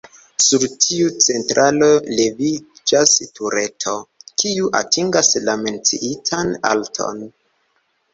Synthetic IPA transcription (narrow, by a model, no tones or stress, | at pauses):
suɾtʰiut͡se̞ntɾʔalo̞le̞vid͡ʒastʰuɾe̞tʰo̞kʰiuʔa̰tʰiŋɡaslame̞nt͡sḭʔitʰana̰ltʰo̞̰n